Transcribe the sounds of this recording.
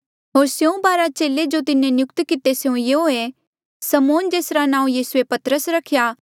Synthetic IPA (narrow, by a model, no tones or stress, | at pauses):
ɦoːɾsjeũbaːɾat͡ʃeːled͡ʒot̪ɪnẽnjʊkt̪kɪt̪eseũjeɦoe | sɐmoːnd͡ʒeːsɾanãːũjiːsuepɐt̪ɾəsɾɐkʰja